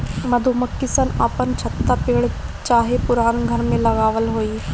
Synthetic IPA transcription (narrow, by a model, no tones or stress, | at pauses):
mɐd̪ʱuməkːɪsənapənt͡ʃʰɐt̪ːapiːɽ | t͡ʃaːɦepʊɾaːnɡʱɐɾmẽlɐɣaːʋəlɦoːiː